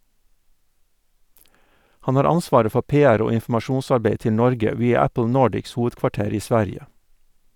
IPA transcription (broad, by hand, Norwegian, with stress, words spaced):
ˈhɑn ˈhɑːɾ ˈɑnˌsʋɑːɾə ˈfɔ ˈpeːˌæɾ ˈoː ɪnfm̩ɑˈʃuːnsɑɾˌbeɪ ˈtɪ ˈnɔɾɡə ˈʋiːɑ ˈæpl̩ ˈnoːɖɪks ˈhuːʋədkʋɑˌʈeːɾ ˈiː ˈsʋæɾɪə